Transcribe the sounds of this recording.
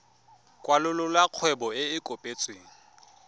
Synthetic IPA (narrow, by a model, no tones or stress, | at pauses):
kʼwalʊlʊlwaq͡χʰwɛbɔɪɪkʼopʼet͡sʼweːŋ̩